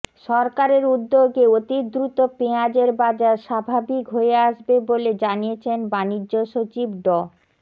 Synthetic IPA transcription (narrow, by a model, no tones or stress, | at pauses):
ʃɔɾkaɾeɾud̪ːoɡeot̪id̪ɾut̪opead͡ʑeɾbad͡ʑaɾʃabʱabikɦoeaʃbeboled͡ʑanijet͡ɕʰenbanid͡ʑːoʃot͡ɕibɖɔ